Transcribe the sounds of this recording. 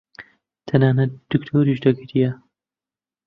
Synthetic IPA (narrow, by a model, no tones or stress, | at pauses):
t̪ʰɐnaːnɐt̪̚d̪̥ɨkt̪ʰoːɾiʃd̪ɐɡʰɨɾijɛ